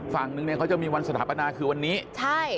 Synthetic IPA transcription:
fa˨˩ŋnɯ˧ŋni˩kʰa˦˥t͡ɕa˨˩miː˧wa˧nsa˧t̪ʰaː˩˦˥pa˧naː˧kʰɯː˧wa˧nːiː˦˥t͡ɕʰa˥˩j

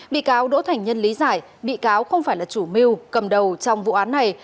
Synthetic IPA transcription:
ɓḭ˧˨kaː˨˦wɗo̰˧˥t̪ʰa˨˩jŋ̟ɲə˧nli˨˦zaː˧˩j | ɓḭ˧˨kaː˨˦wxə˧wŋ͡mfaː˧˩jlaː˨˩t͡ɕu˧˩mi˧wkə˨˩mɗə˨˩wt͡ɕɔ˧wŋ͡mvṵ˧˨ʔaː˨˦nːa˨˩j

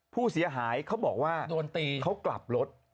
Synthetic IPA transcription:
pʰuː˥˩si˩˦ɐɦaː˩˦jkʰa˦˥wbɔː˨˩k̚waː˥˩du˧nt̪iː˧kʰa˦˥wkla̰˨˩p̚lo˦˥t̪̚

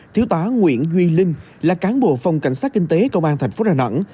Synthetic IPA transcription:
t̪ʰi˨˦əwt̪waː˨˦ŋwḭ˧˨ənzwi˧lï˧ŋ̟ | laː˨˩kaː˨˦nɓo̰˧˨fa˨˧wŋ͡mka̰˧˩jŋ̟saː˦˥t̚kï˧ŋ̟t̪e˨˦kə˧wʔaː˧nt̪ʰa˨˩jŋ̟fo˨˦zaː˧˩nə̰˧˥n

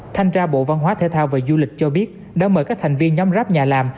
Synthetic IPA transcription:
t̪ʰa˧jŋ̟t͡ɕaː˧ɓo̰˧˨va˧nɦwaː˨˦t̪ʰe˧t̪ʰaː˧wvaː˨˩zu˧lï˨˩k̚t͡ɕɔ˧ɓi˦˥ət̚ | ɗa̰ː˧˥məː˧˩kaː˦˥k̚t̪ʰa˨˩ŋ̟vi˧ənɲɔa˨˦ŋ͡mzaː˦˥p̚ɲaː˨˩laː˨˩m

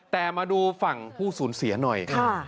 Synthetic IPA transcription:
t̪ɛː˨˩maː˧duː˧fa˨˩ŋpʰuː˥˩suː˩˦nsi˨˩˦ɐnɔ˨˩jkʰa˥˩

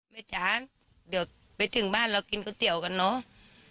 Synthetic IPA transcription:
me˧˩t͡ɕaː˨˦ | ɗɨ˨˩ək̚ | ɓe˨˦t̪ʰɨ˨˩ŋɓaː˧˩nlɔ˨˧˦ki˨˧˦nkɔ˨˧˦t̪i˧˨əwka˨˩nːɔ˨˦

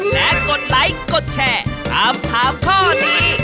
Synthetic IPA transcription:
lɛ˦˥ko˨˩t̪̚la˨˦jko˨˩t̪̚t͡ɕʰɛː˧˩t̪ʰaː˧mt̪ʰaː˨˦mk̪ʰɔː˥˩niː˦˥˩

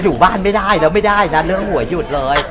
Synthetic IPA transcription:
juː˨˩baː˥˩nma˥˩jda˥˩jlɛː˦˥wma˥˩jdaː˥˩jna˦˥lɯ˦˥əŋhu˨˩˦ɐjju˨˩t̪̚lɤː˧j

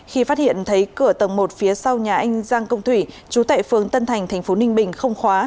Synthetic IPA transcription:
xi˧faː˦˥t̚hḭ˧˨ənt̪ʰə˨˦jkɨ˧˩ət̪ə˨˩wŋ͡mmo˨˩t̚fi˨˦əsa˧wɲaː˨˩ʔa˧jŋ̟zaː˧ŋkə˧wŋ͡mt̪ʰwi˧˩ | t͡ɕu˨˦t̪a̰ː˧˨jfɨ˨˩əŋt̪ə˧nt̪ʰa˨˩jŋ̟t̪ʰa˨˩ŋ̟fo˨˦nï˧ŋ̟ɓï˨˩ŋ̟xə˧wŋ͡mxwaː˨˦

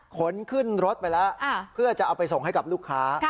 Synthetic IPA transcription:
kʰo˩˦nkʰɯ˥˩nɾo˦˥t̪̚pa˧jlɛ˦˥˧pʰɯ˥˩ɐt͡ɕa˨˩ʔa˧wpa˧jso˨˩ŋɦa˥˩jka˨˩p̚luː˥˩kʰːaː˦˥

